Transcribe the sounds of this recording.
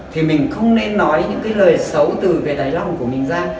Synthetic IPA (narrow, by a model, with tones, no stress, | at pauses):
t̪ʰi˨˩mï˨˩ŋ̟xə˧wŋ͡mne˧nːɔ˨˦jɲɨ̰˧˥ŋkaː˨˦jləː˨˩jsə˨˦wt̪ɨ˨˩ve˨˩ɗ̪aː˨˦jla˧wŋ͡mku˧˩əmï˨˩ŋ̟zaː˧ŋ